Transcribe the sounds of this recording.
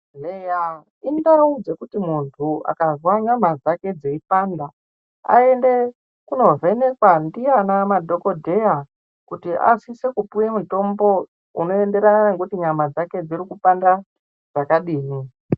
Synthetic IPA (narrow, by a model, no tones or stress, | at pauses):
eja | indaud͡ze̞kutimuntʰua̰kazwaɲamad͡zake̞d͡zeipanda | a̰e̞nde̞ | kuno̞vʱe̞ne̞kwandijanamadʱo̞ko̞dʱe̞ja | kutiʔa̰sise̞kupujemuto̞mbo̞ | uno̞e̞nde̞ɾananekutiɲamad͡zake̞d͡zirikupanda | d͡zakaɗiːmi